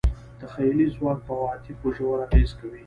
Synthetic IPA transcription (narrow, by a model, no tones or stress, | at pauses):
d̪̥əxajlizwɑːk̚pəwɑːt̪ipʊʒowɾaɣezkawi